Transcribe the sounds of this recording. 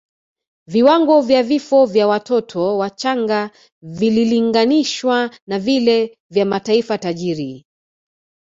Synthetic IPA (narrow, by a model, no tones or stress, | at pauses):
viwaŋɡɔvjavifɔvjawatɔtʰɔwat͡ʃaŋɡa | vililiŋɡaniʃwanavilɛ | vjamataifataʄiɾi